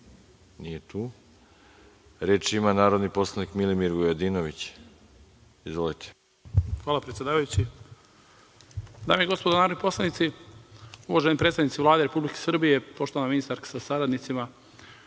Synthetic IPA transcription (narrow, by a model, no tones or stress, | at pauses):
nijet̪uː | ɾeːt͡ʃimanaːɾod̪niposlˠanikmilimiɾɡojod̪inoʋit͡ɕ | izʋolit̪ʰe̥ | xʋaːlapɾet̪sjed̪aːʋajut͡ɕi | d̪a̰ːmieɡo̞spod̪onaːɾod̪nipo̞slˠanit̪si | uʋaʒenipɾet̪anit̪iʋlaːd̪eɾe̞publike̥sr̩bije̞po̞ʃt̪oanaminist̪aɾkḁsasaɾad̪nit̪sima